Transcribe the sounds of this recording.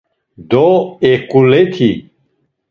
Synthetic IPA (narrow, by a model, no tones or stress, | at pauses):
d̪oekulet̪ʰi